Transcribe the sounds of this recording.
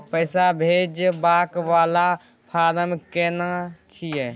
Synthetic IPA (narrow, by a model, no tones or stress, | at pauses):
pəɪsabʱed͡ʒbaːkʋaːla | pʰaːd̪əmkeːnat͡ʃʰijɛ